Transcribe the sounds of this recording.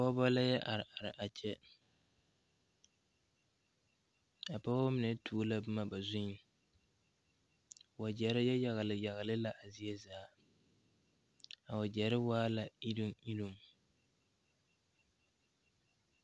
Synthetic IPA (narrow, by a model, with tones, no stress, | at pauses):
pa˦ba˦la˦jɛ˦ʔa˨ɾɪ˨ʔa˨ɾɪ˨ʔa˨t͡ʃɛ˦ | a˨pa˦a˦mɨ˨nɛ˨tʰuː˦la˦bɨ˦ma˦ba˨zʊ˦ɲi˨ | wa˨d͡ʒɛ˨ɾɪ˦jɛ˦ja˨ɣlɨ˨ja˨ɣa˨lɨ˦la˦ʔa˨zi˦ɛ˦zaː˨˦ | a˨wa˨d͡ʒɛ˨ɾɪ˦waː˦la˨i˦ɾɨ˦mi˦lu˨m˨